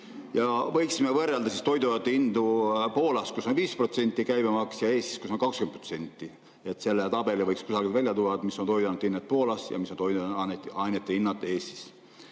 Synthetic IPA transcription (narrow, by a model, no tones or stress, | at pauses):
jɑvɤjksimevɤrːeld̪ɑsist̪o̞jd̪ujɑt̪ːˑeind̪upo̞ːlɑskusːonviːsprot̪se̞nʲt̪ːˑikæjbemɑksjɑe̞ːst̪i̥sku̥sonkɑkskynt̪prot̪se̞nʲt̪ːi | e̞t̪ːˑse̞lːet̪ɑb̥e̞livɤjkskusɑɡit̪vælʲjɑt̪uɑd̪misːo̞nt̪o̞jd̪ɑnut̪ːinːet̪̚po̞ːlɑsjɑ̰misːont̪ojd̪ɑnet̪ːɑjnet̪ːˑeinːɑt̪ːˑe̞ːst̪i̥s